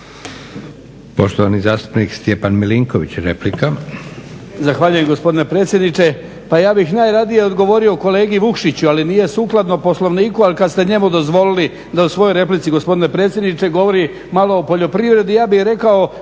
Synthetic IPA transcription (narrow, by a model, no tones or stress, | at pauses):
po̞ʃt̪oʋanizaːst̪u̥pnikst̪jepanmiliŋkoʋḭt͡ɕɾḛplika | zaxʋaːʎuje̞mɡospo̞d̪ine̞pɾet̪sʲje̞d̪nit͡ʃe̞ | pajaːbixnaːjɾad̪ijeod̪ɡo̞ʋo̞ɾioko̞le̞ːɡiʋukʃit͡ɕualinije̞suːklˠad̪nopo̞slˠo̞ʋniːkualikad̪st̪e̞ɲe̞mud̪o̞zʋo̞lili | d̪ausʋo̞jo̞jɾe̞plit̪siɡospo̞d̪ine̞pɾe̞ːt̪sjed̪nit͡ʃe̞ɡo̞ʋo̞ɾi | maloːpo̞ʎo̞pɾiʋɾe̞d̪ijaːbixɾe̞kao